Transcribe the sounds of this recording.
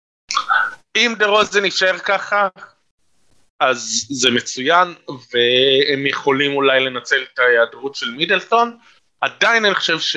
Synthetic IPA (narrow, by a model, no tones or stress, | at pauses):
imd̪eʁo̞zeniʃaeʁkaχa | azːeme̞t͡sujanveemjeχo̞limulajle̞nat͡selet̪ajeadʁutʃe̞lmidelto̞n | ad̪ajinaniχo̥ʃevʃ